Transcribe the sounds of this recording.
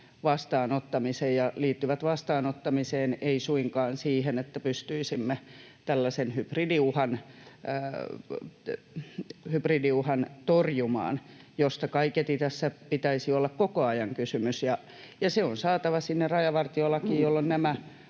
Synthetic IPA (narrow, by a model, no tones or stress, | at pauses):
ʋɑst̪ɑːnot̪ːɑmisejjɑliːt̪ːyʋæt̪ʋɑst̪ɑːnot̪ːɑmiseːneisuiŋkɑːnsiːhenet̪ːæpyst̪yisimːe | t̪ælːæsenhypridiuhɑnː | hypridiuhɑnt̪orjumɑ̰ːnjost̪ɑkɑiket̪it̪æsːæpit̪æisiolːɑkkokoɑjɑŋkysymysjɑ | jɑseonsɑːt̪ɑʋɑsinːerɑjɑʋɑrt̪iolːɑkijjolːonnæmæ